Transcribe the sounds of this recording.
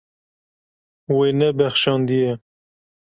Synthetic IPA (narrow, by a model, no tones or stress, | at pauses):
wenɛbɛxʃɑːnd̪ijɛ